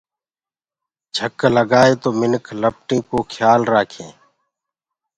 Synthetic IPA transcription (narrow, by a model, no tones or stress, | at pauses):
d͡ʒʱəkːləɡaːet̪oːmɪnkʰləp̚ʈĩːkokʰjaːlɾaːkʰḛ̃ː